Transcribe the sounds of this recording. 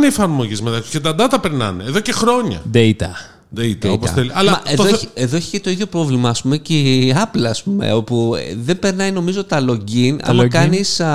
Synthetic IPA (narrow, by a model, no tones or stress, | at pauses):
neiefɐɾmo̞ʝizmet̪ɐkscet̪ɐnd̪ɐt̪ɐpe̞ɾnɐ̰neːðo̞cexɾo̞ɲɐ̰d̪eit̪ɐ | d̪eit̪oposɐθeliʔɐlɐmɐeðoçieðo̞eçi̥cet̪o̞iðʝjo̞pɾo̞vlimɐːspumeceɐplɐːspume̞̰o̞puðembe̞ɾnɐjno̞mizo̞t̪ɐlo̞ɟinɐ̰mɐkɐnis